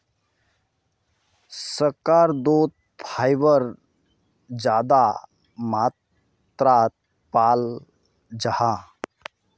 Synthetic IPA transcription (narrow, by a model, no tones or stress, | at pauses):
səɾkaɾd̪ot̪̚ | fʰajbəɾ | d͡ʒaːd̪a | mat̪ | ɾat̪ | pal | d͡ʒaha